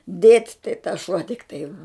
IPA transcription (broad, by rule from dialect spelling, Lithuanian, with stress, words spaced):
dʲeːtʲ tɐɪ tɐs ʃuɔ tʲɪkˈtɐɪ